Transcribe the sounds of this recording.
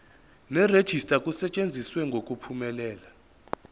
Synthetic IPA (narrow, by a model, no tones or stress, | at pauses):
nɛred̥ʒ̥ʱistʼakʼusɛt͡ʃʼend͡zʱiswɛŋɡʱokʼupʰumɛlɛːla